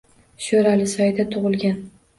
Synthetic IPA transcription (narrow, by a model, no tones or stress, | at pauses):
ʃoɾalɪsɒjd̪at̪ʰʊʁɨlˠɡʲan